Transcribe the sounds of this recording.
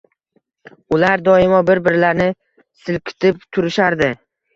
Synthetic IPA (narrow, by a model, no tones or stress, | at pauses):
ʊlaɾd̪ɒɪmɒbɪɾbɪɾlaɾnɪ | sɪl̚kʲʰɪ̥t̪ʰɪp̚t̪ʰʊɾɪʃaɾd̪ɪ